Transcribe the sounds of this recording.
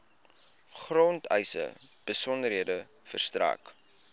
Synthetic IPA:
χrɔntɛ̰jsə̰b̥əsɔndəɾɦiədə | fərstra̰ːk

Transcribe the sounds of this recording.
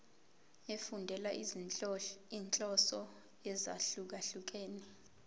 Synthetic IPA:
efundʱɛla | iːnt͡ɬʼɔsɔ | ɛza̰ɬuk̬aɬuk̬eːni

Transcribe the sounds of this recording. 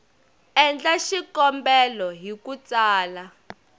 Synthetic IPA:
ɛnd͡ɮaʃikɔmbɛlɔɦikut͡saːla

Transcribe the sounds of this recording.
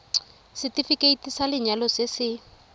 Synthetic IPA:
sɪtifikʼeitʼisalɪɲalɔsɪsɪ

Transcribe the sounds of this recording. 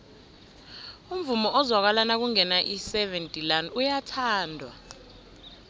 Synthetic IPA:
um̩vumɔʔɔzwak̬walanak̬uŋɛnaʔisɛvɛntʼilanujatʰaːndʱwa̰

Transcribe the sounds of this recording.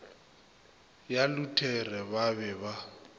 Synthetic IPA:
jalutʰɛrɛβaβɛβa

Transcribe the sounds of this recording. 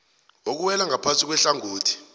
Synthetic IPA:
ok̬uwɛlaŋapʰansʼik̬wɛɬaŋuːtʰi̥

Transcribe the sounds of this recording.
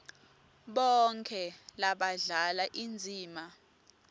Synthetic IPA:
ɓɔŋkʰɛlaɓaɮalaʔind͡zʱiːma

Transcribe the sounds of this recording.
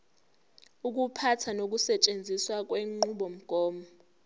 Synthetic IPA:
uk̬upʰatʰanok̬usɛt͡ʃʼend͡zʱiswak̬weŋ͡ǃuɓɔm̩ɡ̥ʱɔːmɔ

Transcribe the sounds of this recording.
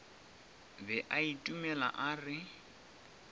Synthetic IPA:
bɛʔaitʼumɛla̰ʔaːrɪ

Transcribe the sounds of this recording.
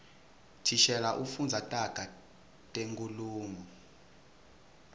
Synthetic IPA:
tʰiʃɛlaʔufund͡zʱatʼaɡ̥ʱa | tʼeŋkʼuluːmɔ

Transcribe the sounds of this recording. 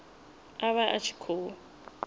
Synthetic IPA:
aβaʔat͡ʃʰi̥kʰoː

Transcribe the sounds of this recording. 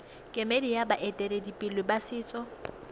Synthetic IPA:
kʼemedijabaʔetʼɛɾedipʼɪlwɪbasɪːt͡sʼɔ

